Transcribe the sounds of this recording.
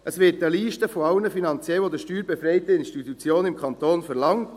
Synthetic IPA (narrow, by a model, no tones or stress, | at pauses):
ʔəsʋɪtəliːʃtəfoɑwnəfinɑnt͡sjɛlʋod̪əʃtyːɾbɛfɾɛɪtəɪnstitut͡sjoːnɪmkʰɑnt̪oːnfɛɾlɑŋt